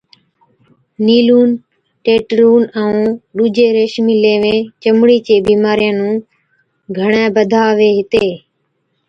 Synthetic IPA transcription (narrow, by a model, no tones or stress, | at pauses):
niːluːn | ʈeːʈɾuːnɛũːɗuːd͡ʒeːɾeːʃmiːleːʋẽːt͡ʃəmɽiːt͡ʃeːbiːmaːɾijãːnũː | ɡʱəɳẽːbəd̪ʱaːʋeːɦɪt̪eː